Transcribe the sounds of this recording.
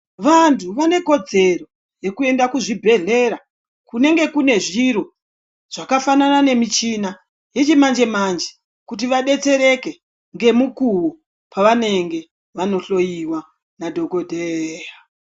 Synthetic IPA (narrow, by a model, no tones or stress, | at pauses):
ʋantʰuʋane̞ko̞d͡ze̞ro̞ | je̞kue̞ndakuʐibʱe̞ɮe̞ɾa | kune̞ŋɡe̞kune̞ʐiɾo | ʐ̥akafananane̞mit͡ʃina | je̞t͡ʃimand͡ʒe̞mand͡ʒe | kut̬iʋaɗe̞t͡se̞ɾe̞ke̞ | ŋɡe̞mukuwo | paʋane̞ŋɡe̞ | ʋano̞ɬo̞jiwa | nadʱo̞ɡo̞dʱeja